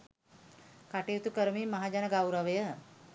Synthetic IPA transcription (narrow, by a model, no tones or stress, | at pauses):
kaʈit̪ukəɾmimɐɦad͡ʑanəɡawɾəʋəjə